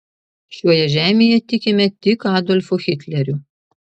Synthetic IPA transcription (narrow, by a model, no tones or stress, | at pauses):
ʃʲuɔjɛʒʲæːmʲeːjɛt̪ʲɪkʲɪmʲɛt̪ʲɪkɑːd̪ɔlʲfuxʲɪt̪ʲlʲɛɾʲu